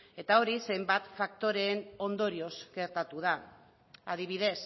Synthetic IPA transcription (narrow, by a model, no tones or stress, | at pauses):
e̞t̪ao̞ɾise̞jmbat̪fak̚t̪o̞ɾe̞ːno̞nd̪o̞ɾio̞zɡe̞ɾt̪at̪uð̞a | aðiβið̞e̞s